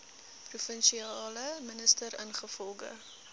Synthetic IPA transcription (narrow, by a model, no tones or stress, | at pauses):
prufənʃiɑːləmənəstəɾənχəfɔlˠɡə̰